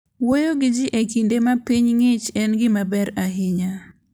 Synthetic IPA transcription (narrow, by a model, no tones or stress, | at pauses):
wojoɡɪd͡ʒɪʔekindemapiɲŋɪt͡ʃɛnɡɪmabɛɾaɦɪɲa